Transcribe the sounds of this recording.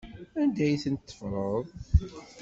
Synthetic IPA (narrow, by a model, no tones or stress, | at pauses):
ænd̪æjθənt̪ːə̥fɾˤəðˤ